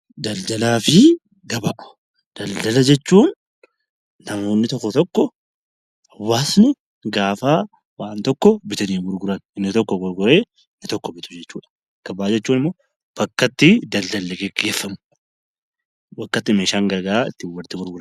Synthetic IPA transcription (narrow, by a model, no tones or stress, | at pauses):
d̪ɐld̪ɐlaːfɪ | ɡɐbaʔ | d̪̥ɐld̪ɐlɐd͡ʒɛt͡ʃːuːnː | ɐmo̞ːnːɪt̪ɔkːɔt̪ɔkːɔ | hɐwːaːsnʊ | ɡaːfaː | waːnt̪ɔkːɔbɪt̪ɐniːɡʊɾɡʊɾɐnɪnːɪt̪ɔkːɔɡʊɾɡʊɾe̞ː | nːɪt̪ɔkːɔbɪt̪ʊ̥d͡ʒɛt͡ʃːuːᶑɐ̥ | ɡ̥ɐbaːd͡ʒɛt͡ʃːuːnɪmːoː | b̥ɐkːɐt̪ːɪd̪ɐld̪ɐlːɛɡɛɡːeːfːɐmʊ | bɐkːɐt̪ːɪmeːʃaːŋɡɐɾɡɐɾaːɪ̰t̪ːɪwɐlt̪ːɪɡʊɾɡʊɾɐn